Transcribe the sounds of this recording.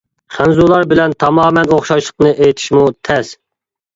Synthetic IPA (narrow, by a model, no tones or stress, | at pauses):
χænzulˠɑɾbɪlɛnt̪ʰɑmɑːmɛnoχʃɑʃlˠəqnɨʔejt̪ʰi̥ʃmut̪ʰɛs